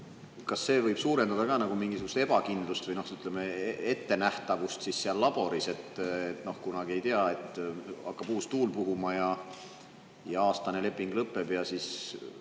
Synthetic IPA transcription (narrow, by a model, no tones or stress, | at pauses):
kɑsːe̞ːvɤjb̥suːɾe̞nd̪ɑd̪̥ɑkɑːnɑɡumiŋɡisuɡ̥u̥st̪e̞b̥ɑkind̪lust̪vɤjno̞hyt̪ːˑlemeee̞t̪ːe̞næht̪ɑvust̪sisːeɑlːɑb̥o̞ɾise̞t̪ːet̪ːno̞hkunɑɡ̥ie̞jt̪eɑe̞t̪ːˑɑ̰kːɑb̥uːst̪uːlpuɦumɑjɑ | jɑɑːst̪ɑne̞le̞pːˑiŋɡ̥lɤpːe̞b̥jɑsis